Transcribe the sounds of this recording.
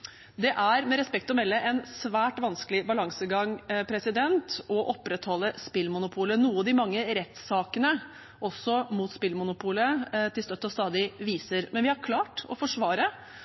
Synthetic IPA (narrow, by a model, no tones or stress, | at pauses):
d̪ɛʔæɾmɛɾɛspɛk̚t̪ɔmɛlːəʔɛnsʋæːʈʋɑnskəlɪbɑlɑŋsəɡɑŋpʰɾɛsɪd̪ɛnt̪ɔʔɔpːɾɛt̪hɔlːəspɪlmʊnʊpʰuːlənuːɑd̪ɪmɑŋːəɾɛt̪sɑːkənə | ʔɔsːɔmuːt̪spɪlmʊnʊpʰuːlət̪ʰɪlst̪œt̪ːɔst̪ɑːd̪ɪʋiːsəɾmɛnʋɪhɑɾkʰlɑːʈɔ̰fɔʂʋɑːɾə